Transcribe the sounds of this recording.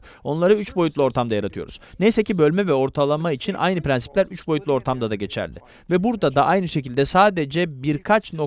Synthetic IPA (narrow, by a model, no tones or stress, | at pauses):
o̞nlˠaɾɯyt͡ʃbo̞jut̪lˠɯo̞ɾt̪ʰamd̪ajaɾat̪ʰɯjo̞̰ɾṵz̥nejsecibølʲmɛvɛo̞ɾt̪ʰalˠamait͡ʃʰinʔa̰jnɯpɾɛnsi̥plʲæɾyt͡ʃbojut̪lˠo̞ɾt̪ʰamd̪ad̪aɟe̞t͡ʃʰæ̰ɾd̪ɪ | vɛbuɾd̪ad̪aʔajnɯʃe̞cilʲd̪ɛsaːd̪e̞d͡ʒɛbiɾkʰat͡ʃno̞